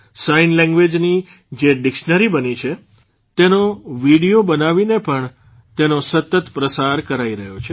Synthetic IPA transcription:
sainlɛ̃ŋɡʋed͡ʒni | d͡ʒeɖɪkʃnəɾibənit͡ʃʰe | t̪enoʋiɽijobənaʋinepəɳ | t̪enosət̪ət̪pɾəsaɾkəɾaiɾəɦjot͡ʃʰe

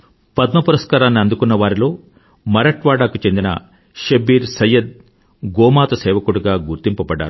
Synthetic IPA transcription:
pɐd̪mɐpuɾɐskaːɾaːnːiɐnd̪ukunːɐʋaːɾilo̞ː | mɐɾɐʈʋaːɽaːkut͡ʃe̞nd̪inɐ̰ | ʃɐbiːɾsɐjːɐd̪̚ | ɡɔːmaːt̪ɐsɛːʋɐkuɽuɡaːɡuɾt̪impɐbɐɖːa̰ːɾu

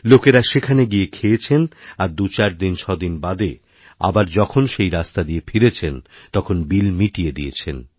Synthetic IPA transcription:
lokeɾaʃekʰaneɡiekʰeet͡ɕʰenaɾd̪ut͡ɕaɾd̪int͡ɕʰɔd̪inbad̪e | a̰baɾd͡ʑɔkʰonʃejɾast̪ad̪iefʰiɾet͡ɕʰent̪ɔkʰonbilmiʈijed̪ijet͡ɕʰḛn

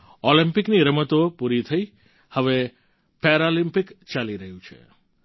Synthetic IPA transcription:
olimpɪkniɾəmət̪opuɾit̪ʰəi | həʋe | pɛɾolimpɪkt͡ʃaliɾəɦũt͡ʃʰḛ

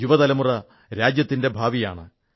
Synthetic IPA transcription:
juʋɐðɐlɐmurɐ | ɾaːd͡ʑjɐt̪ːinde̞bʱaːʋijaːɳɨ

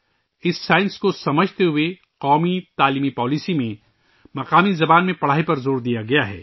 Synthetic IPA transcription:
ɪsːaːɪnskosɐməd͡ʒʱt̪eɦʊe | qɔːmit̪aːliːmipɔːlisimẽ | mɐqaːmizɐbaːnmẽpɐɽ̤aːɦipɐɾzoːɾd̪ijaɡɐjaɦɛ̰ː

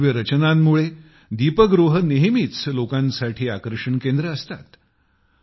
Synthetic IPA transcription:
ʋjəɾət͡ɕənamːuɭe | d̪ipəɡɾuɦəneɦmit͡slokãnsaʈʰiːakɾəʂəɳkend̪ɾəːst̪at̪

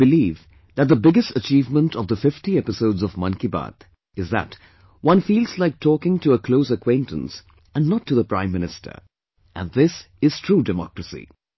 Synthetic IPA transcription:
b̥ɨliv | ðɨt̚ðəbɪɡɨstət͡ʃiːvmə̃ntʰʌvðəfɪftiɛpɪsoʊdzʌvmʌ̃nkiba̰t̪ | ɨzðə̰t | wʌ̃nfiːlˠzlaɪk̚tʰɔːkɪ̃ŋtʰɨəkʰloʊsəkʰw̥ẽɪ̃ntə̃ns | ɨ̃nːətʰːɨðəpɹ̥ãɪ̃mːɪ̃nɨstʰə̰˞ | ʔɨ̰̃nðɪs | ɪz̥tʰɹ̥uːdɨmɔ̰kɹəsḭ

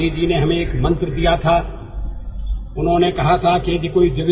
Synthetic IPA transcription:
id͡ʒineɦɐmẽeːkmɐ̃nt̪ɾd̪ijat̪ʰaː | ʊnɦõːnekɐɦat̪ʰaked͡ʒekoːid͡ʒɪʋɪ

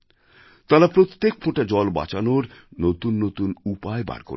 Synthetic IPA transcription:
t̪aɾapɾot̪ːek̚pʰoʈad͡ʑɔlba̰t͡ɕanoɾnot̪unːot̪unupaeba̰ɽko̰ɾ

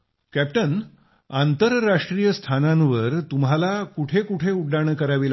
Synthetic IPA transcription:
kæp̚ʈən | ant̪əɾːaʂʈɾijəst̪ʰanãnʋəɾt̪umɦalakuʈʰekuʈʰeuɖːaɽ̃kəɾaʋila

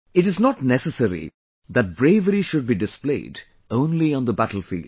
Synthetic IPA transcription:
ɪʈɪznɔʈnɛsəsəɾḭ | ðæʈ̚bɾeɪʋəɾiʃʊɖ̚biɖɪsplḛɪːd | õʊ̃nliɔ̃nd̪əbæʈl̩ˠfḭld̥

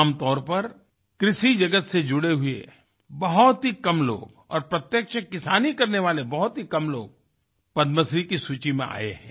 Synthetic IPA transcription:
mt̪ɔːɾpɐɾ | kɾɪʃid͡ʒɐɡət̪sed͡ʒʊɽeɦʊḛ | bɐɦʊt̪ɦikɐmlo̰ːɡ | ɔ̰ːɾpɾɐt̪jəkʃəkɪsaːnikɐɾneʋaːlebɐɦʊt̪ɦikɐmlo̰ːɡ̚ | pɐd̪məsɾikisuːt͡ʃimḛ̃a̰ːḛɦɛ̰̃ː

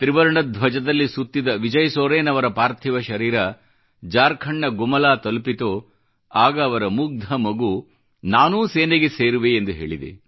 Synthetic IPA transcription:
t̪ɾiʋɐɾɐɳɐd̪ʱʋɐd͡ʒɐd̪ɐlːisut̪ːid̪ɐʋid͡ʒɐjsoːɾeːnɐʋɐɾɐpaːɾt̪ʰiʋɐʃɐɾiːɾɐ | d͡ʒaːɾkʰɐɳːɐɡumɐlaːt̪ɐlpit̪oː | aːɡɐːʋɐɾɐmuɡ̚d̪ʱɐmɐɡu | naːnuːseːneɡeseːɾuʋeːnd̪uɦe̞ːɭid̪ḛ

